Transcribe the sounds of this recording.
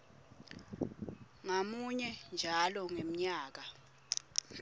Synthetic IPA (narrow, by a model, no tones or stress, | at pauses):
ŋamuɲɛnd͡ʒʱalɔŋem̩ɲaːk̬a